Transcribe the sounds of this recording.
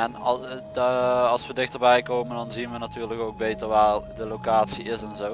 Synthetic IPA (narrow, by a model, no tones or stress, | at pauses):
ɛn | ɑlˠsʋədɪxtərbɛjkoːməndɑnzinʋənatyːrləkowɡ̚bejtərʋaːrdəlokaːtsiɪsɛnzoː